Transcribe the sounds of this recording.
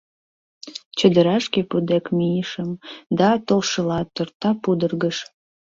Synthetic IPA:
t͡ɕə̆d̪ə̆ɾɑʃkepud̪ekmijəʃəmd̪ɑt̪olʃəlɑt̪ːort̪ɑpud̪ərɣəʃ

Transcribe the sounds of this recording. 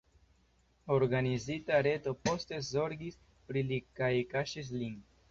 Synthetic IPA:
o̞ɾɡanizitaɾe̞to̞po̞ste̞zo̞ɾɡis | pɾilikajkaʃis̬lin

